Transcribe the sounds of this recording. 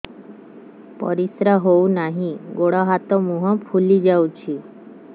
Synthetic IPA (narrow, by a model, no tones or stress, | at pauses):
pə̰ɾisɾaɦounaɦĩɡoɽaɦat̪ɔmuɦəfʰulid͡ʑawt͡ɕi